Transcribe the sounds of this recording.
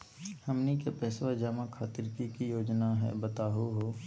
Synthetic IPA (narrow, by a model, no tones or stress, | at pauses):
həmnikepɛːswad͡ʒaːmakʰaːt̪ɪɾkikijoːd͡ʒnaɦɛ̰bɐt̪aːɦoɦoː